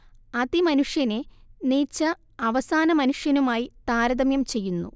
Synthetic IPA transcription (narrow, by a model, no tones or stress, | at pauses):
ɐðimɐnuʂjɐneniːt͡ɕːɐ | ɐʋɐsaːnɐmɐnuʂjɐnumaːjit̪aːɾɐðɐmjɐmt͡ɕe̞jːunːṵ